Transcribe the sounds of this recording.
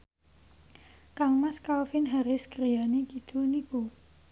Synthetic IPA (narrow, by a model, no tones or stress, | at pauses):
kaŋmaskalfɪnɦaɾɪskəɾijanikid̪̥uniku